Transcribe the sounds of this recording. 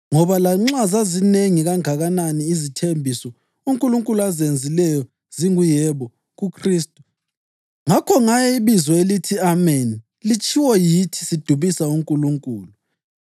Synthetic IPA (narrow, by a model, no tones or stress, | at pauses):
ŋɔβalaŋ͡ǁazazineŋiɣaŋaɣananiːzitʰembʱisɔ | uŋkʼuluŋkʼuluazend͡zʱilɛjɔ | z̥iŋujɛβɔ | ɣukʰriːstʼu | ŋakʰɔŋajɛiβizɔelitʰiamɛni | lit͡ʃʼʰiwɔjitʰi̥sid̥ʱuβisauŋkʼuluŋkʼuːlu